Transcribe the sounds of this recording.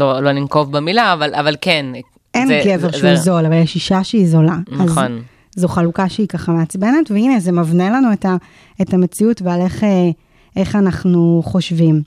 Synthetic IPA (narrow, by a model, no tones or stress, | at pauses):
lolonimkovbemilaːvalavalken | enɡeve̞ʁʃeuzo̞lavaljɛʃiʃaʃeizo̞laazon | zoχalukaʃeikaχameat͡sbene̞tveinezemavnelanueta | etame̞t͡siutveale̞χe | ʔeχanaχnuχo̞ʃvim